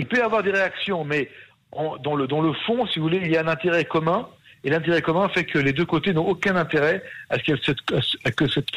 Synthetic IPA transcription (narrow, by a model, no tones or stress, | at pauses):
ilpøjavwaʁd̪eʁeaksjɔ̃mɛ | ɑ̃d̪ɑ̃ləd̪ɑ̃ləfɔ̃sivuvuleiljaɛ̃nɛ̃t̪eʁɛkɔmɛ̃ | elɛ̃t̪eʁɛkɔmɛ̃fɛkʰəled̪økot̪enɔ̃ʔokʲɛ̃nɛ̃t̪eʁɛaskɛsɛt̪sakəsɛt̪